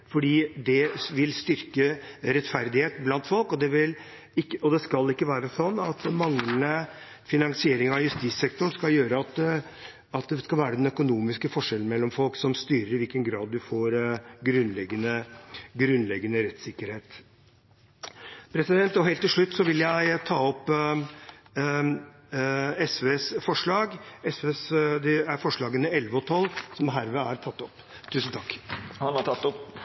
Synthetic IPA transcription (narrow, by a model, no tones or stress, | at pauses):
fɔɖiːd̪ɛʋɪlst̪ʏɾkəɾɛt̪fæɾd̪ɪheːt̪blɑnt̪fɔlkɔd̪ɛʋɪl | ɪkːəɔd̪ɛskɑlːɪkːəʋæːɾəsɔnːɑt̪mɑŋlənə | fɪnɑŋsɪeːɾɪŋɑjʉst̪iːsːɛk̚t̪ʊɳskɑljøːɾəɑt̪ | ɑt̪̚d̪ɛskɑlʋæːɾəd̪ɛnœkʊnuːmɪskəfɔʂɛln̩mɛlːɔmfɔlksɔmst̪yːɾəɾɪʋɪlkənɡɾɑːd̪d̪ʉfoːɾɡɾʉnlɛɡːənəɡɾʉnlɛɡːənəɾɛt̪sɪkːəɾheːt̪ | pʰɾɛsɪd̪ɛnt̪ɔɦeːlt̪ːɪlʂɭʉt̪ːsɔʋɪljæɪt̪ʰɑːɔpː | ɛsʋeːsfɔʂɭɑːɡɛsʋeːsd̪ɛæɾfɔʂɭɑːɡənəɛlʋəɔt̪ʰɔlːsɔmɦæːɾʋɛæɾt̪ʰɑt̪ːɔpː | t̪ʰːʉːsən̩t̪ʰɑkːhɑnhɑt̪ʰɑt̪ːɔp